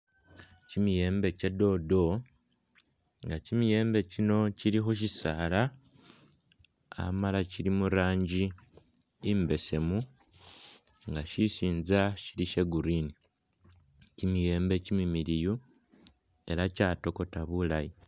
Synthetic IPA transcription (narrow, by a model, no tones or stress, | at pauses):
cimije̞ːmbe̞ce̞do̞do̞ | ŋɡacimije̞ːmbe̞cino̞ciɾixuʃ̬isala | a̰malaciɾimuɾaːɲɟi | imbe̞se̞mu | ŋɡaʃisiːnzaʃiɾiʃe̞ɡuɾini | cimije̞ːmbe̞cimimiɾiju | e̞ɾacaːto̞ko̞taβulaji